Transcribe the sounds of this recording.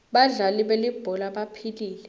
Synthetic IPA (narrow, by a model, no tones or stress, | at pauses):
ɓaɮaliɓelib̥ʱɔlaɓapʰiliːlɛ